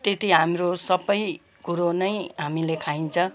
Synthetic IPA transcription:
t̪et̪iɦamrosʌbʌj | kuɾonʌjɦamilekʰaint͡sʰʌ̃

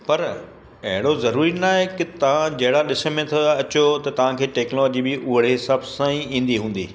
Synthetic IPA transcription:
pɐɾ | ɐɦɪɽ̃ozɐɾuːɾinaːɦekɪt̪ɐʋ̤ãd͡ʑɐɦɪɽaɗɪsə̆mẽt̪ʰoɐt͡ɕot̪ɐt̪ɐʋ̤ãkʰeːʈeːknlɔːd͡ʑibɪʔʊɦəɽ̤eɦɪsaːbsãːĩĩːn̆d̪iɦũːn̆d̪ḭː

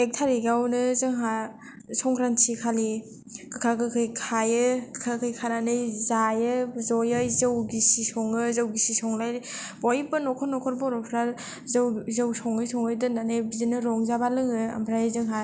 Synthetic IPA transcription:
ek̚tʰaɾiɡawnɯzɯŋɦa | sɔŋɡɾansʰikʰali | kɯkʰakɯkʰɯjkʰajɯkɯ̥kʰakʰɯjkʰananɯjzajɯzɔjɯjzɯwɡisisɔŋɯzawɡisisɔŋlajɾbɔjbɯnɔkʰɔɾnɔkʰɔɾbɔɾɔpʰɾal | zɯwzɯwsɔŋɯjsɔŋɯjdɯnanɯjbizinɯɾɔŋzabalɯŋɯa̰mbʰɾajɯzɯŋɦa

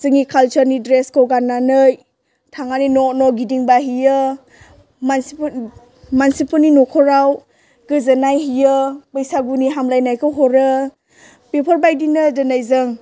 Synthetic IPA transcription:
zɯŋikʰalt͡ʃəɾnidɾeskʰowɡanːanɯj | tʰaŋaninɔnɔɡidiŋbaɦijɯ | man | mansipuninɔkʰɔɾaw | ɡ̥ɯzɯnajɦijɯpɯjsaɡuniɦamlajnajkʰɯɦɔɾɯ | pepʰɔɾbajdinɯdɯnajzɯŋ

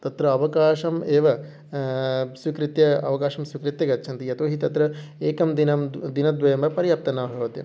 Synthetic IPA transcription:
t̪ɐt̪ɾɐɐʋɐkaːʃɐmeːʋɐ | sʋikɾit̪jɐɐ̰ʋɐkaːʃɐmsʋikɾit̪jɐɡɐtːʃʰɐnt̪ijɐt̪oːɦit̪ɐt̪ɾɐeːkɐmd̪inɐmd̪inɐd̪ʋɐjɐmbɐpɐɾijɐp̚t̪ɐnːɐbʱɐʋɐt̪jɐ̰m

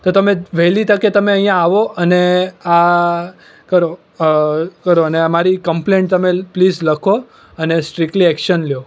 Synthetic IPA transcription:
t̪ot̪əmẽʋɛlit̪əket̪əmeə̃ɦjãaʋoʔənea | kəɾo | kəɾoəneamaɾikəmpleɳʈ̚t̪əmeplid͡ʒləkʰo | ənesʈɾikʈliɛkʃənljo

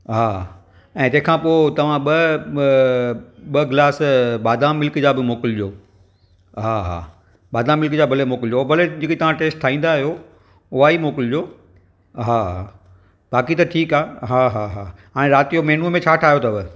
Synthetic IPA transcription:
ɦaː | ɛ̃ːd͡ʑɐ̃ɦɪ̃kʰãːpoːɪt̪ɐʋ̤ãɓɐ | ɓɐɡlaːsɓaːd̪aːmːɪlkd͡ʑaːbɪmoːkɪld͡ʑoː | ɦaːɦa̰ː | ɓaːd̪aːmɪlkd͡ʑaːbʱɐlemoːkɪld͡ʑoːbʱɐled͡ʑɪkit̪ɐʋ̤ãʈeːsʈʈʰaːĩːn̆d̪aːɦijo | ʊɦaimoːkɪld͡ʑoː | ɦaːa | baːkit̪ɐʈʰiːkaːɦaːɦaɦaːɦaːɽ̃ẽɾaːt̪ijomɛɦɪnumẽt͡ɕʰaːʈʰaːɦjot̪ɐʋɪ

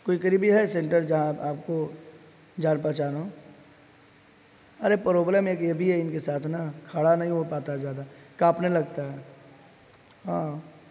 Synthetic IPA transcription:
koːikəɾibʱiɦɛsẽːɳʈəɾd͡ʒɐɦãaːpko | d͡ʒaːnpɐt͡ʃaːno | ɐɾepɾoːblɛːmeːkjebʱiɦɛɪnkesaːt̪ʰnɐkʰaːɽanɐɦĩʋopaːt̪aɛd͡ʒaːd̪akaːpnelɐɡt̪aɦɛ | ɦãː

